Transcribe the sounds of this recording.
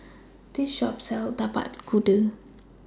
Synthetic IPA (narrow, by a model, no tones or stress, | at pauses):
diʃɔp̚sɛlt̪apa̰t̚ɡudə